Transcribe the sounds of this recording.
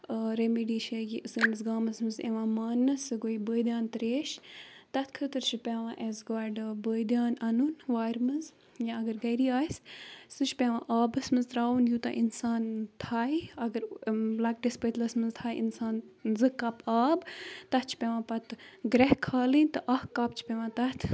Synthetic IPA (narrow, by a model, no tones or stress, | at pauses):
ɾemiɖiːʃɐɡiɨsəːmɨzɡaːmɐsmɨzḛʋãːmaːnːɨsɨɡoibəːjd̪jaːnt̪ɾeːʃt̪ɐt̪ʰkʰət̪ɨɾt͡ʃʰipʲeʋãːʔezɡaːɖɨbəːjd̪jaːnɐnunʋaːɾmɨz | jãɐɡɐɾɡɐjɾiaːssɨt͡ʃʰpʲeʋã̰ʔaːbɐsmɨzt̪ɾaːwunjuːt̪ɐ̰ʔinsaːnt̪ʰaːiɐɡəɾlɐk̚ɖispət̪lɐsmɨzt̪ʰaːjḭnsaːnzɨkːɐpaːbt̪ɐt̪t͡ʃʰpʲeʋãːpɐt̪ɡɾɐɦkʰaːlinʲt̪ɨʔɐhkaːp̚t͡ʃʰi̥pʲeʋãːt̪ɐt̪ʰ